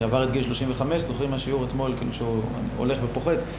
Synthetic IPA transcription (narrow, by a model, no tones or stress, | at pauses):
avaʁet̪̚ɡilʃlo̞ʃimveχame̞ʃzoχʁimhaʃiuʁet̪mo̞lkḭluʃḛo̰le̞χbepoχe̞t̪